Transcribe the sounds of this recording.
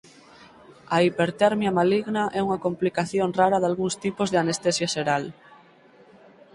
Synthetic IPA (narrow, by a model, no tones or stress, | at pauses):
aipeɾt̪eɾmjamaliɣnaʔɛuŋakomplikaθjonraɾaðalɣuŋst̪ipozðeanest̪esjaseɾal